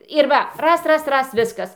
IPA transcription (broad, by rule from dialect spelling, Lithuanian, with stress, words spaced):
ɪr ˈʋɐ ˈrɐs ˈrɐs ˈrɐs ˈʋʲɪskɐs